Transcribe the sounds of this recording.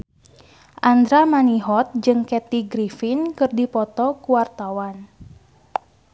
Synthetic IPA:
ʔand̪ɾamaniɦɔt̪̚d͡ʒɨŋkɛt̪iɡɾifinkɨrdipɔt̪ɔkuwart̪awan

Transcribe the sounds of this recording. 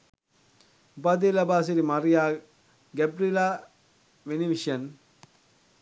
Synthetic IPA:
upaːd̪elɐbaːs̬iɾimaɾijaː | ɡɛbɾilaː | ʋeniʋiʃɐn

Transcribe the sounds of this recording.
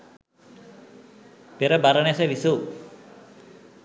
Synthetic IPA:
peɾəbaɾənesəʋisu

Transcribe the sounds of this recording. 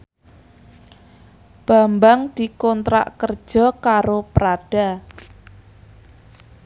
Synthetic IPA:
b̥a̤mbaŋd̪̥i̤kɔnt̪ɾa̰ʔkərd̥ʒ̥ɔ̤kaɾopɾaɖ̥a

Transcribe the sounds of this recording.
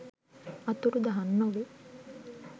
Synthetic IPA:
ɐt̪uɾud̪ɐɦɐnːoʋe

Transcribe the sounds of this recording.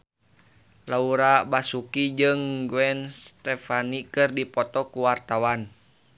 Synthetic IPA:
lauɾabasukid͡ʒɨŋɡwɛnst̪ɛfanikɨrdipɔt̪ɔkuwart̪awan

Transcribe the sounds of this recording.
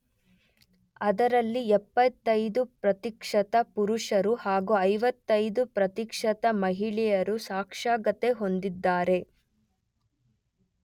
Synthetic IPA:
ɐd̪ɐɾɐlːiɛpːɐt̪ːɐjd̪upɾɐt̪ikʂɐt̪ɐpuɾuʂɐɾuhaːɡuɐjʋɐt̪ːɐjd̪upɾɐt̪ikʂɐt̪ɐmɐɦiɭɛjɐɾusaːkʂaːɡɐt̪e̞ɦo̞nd̪id̪ːaːɾe̞

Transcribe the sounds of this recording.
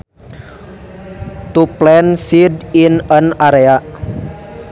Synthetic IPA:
t̪uplɛnsidinənaɾea

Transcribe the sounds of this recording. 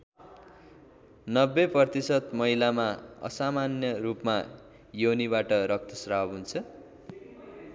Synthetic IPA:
nʌbːeprʌrt̪isʌt̪mʌɦilamaʌ̰samanjʌrupma | jowniβaʈʌɾʌk̚t̪ʰʌsrawɦunt͡sʰʌ

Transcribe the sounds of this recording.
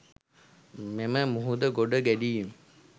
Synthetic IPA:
meməmuɦud̪əɡoɖəɡæɖijim

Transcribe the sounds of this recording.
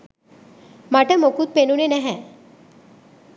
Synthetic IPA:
mɐʈəmokut̪̚penunenɛɦɛ̃

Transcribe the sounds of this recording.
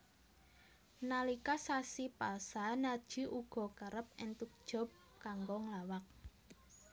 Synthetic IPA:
nalikasasipalsanad̥ʒ̥i̤ʔuɡ̥ɔ̤kəɾəp̚ɪnt̪uk̚d̥ʒ̥ɔ̤p̚ | kaŋɡɔŋlawak̚

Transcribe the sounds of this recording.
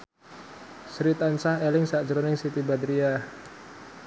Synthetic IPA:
sɾit̪ansahelɪŋsḁd͡ʒɾonɪŋsit̪ibad̪ɾia

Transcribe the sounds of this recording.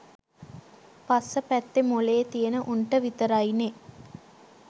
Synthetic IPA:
pasəpæt̪ːemoleːt̪ijənəʔunʈəʋit̪əɾajne

